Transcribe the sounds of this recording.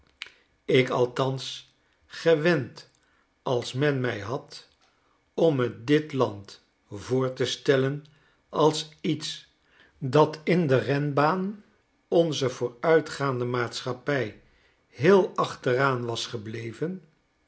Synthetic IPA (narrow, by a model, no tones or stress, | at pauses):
ɪkɑlˠtɑns | χəʋɛnt | ɑlˠsmɛnmɛjɦɑt | ɔmət̚dɪtlɑnt | voːɹtəstɛlən | ɑlˠsits | dɑtɪndərɛnbaːn | ɔnzəv̥ʊːɹœɥtχaːndəmaːtsχɑpɛj | ɦɪːlˠɑχtəraːnʋɑsχəblejvən